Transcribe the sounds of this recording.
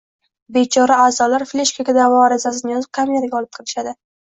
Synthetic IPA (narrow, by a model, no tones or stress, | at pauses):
be̞t͡ʃʰɒɾaaːzɒlaɾflʲeʃkaɡʲad̪avɒɾazas̬ɪnɪjɒzɪp̚kʰamijaɾɡʲaɒlˠɪp̚qʰɨlɪʃad̪ɪ